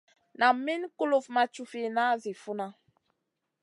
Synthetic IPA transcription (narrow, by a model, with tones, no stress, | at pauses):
na˨mi˦nku˦lo˨fma˨t͡ʃu˦fi˦na˦zi˨fu˦na˦